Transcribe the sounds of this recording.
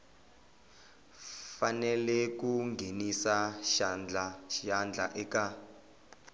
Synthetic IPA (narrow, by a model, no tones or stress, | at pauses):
fanɛlɛkuŋɡʱenisaʃand͡ɮaand͡ɮʱaʔɛka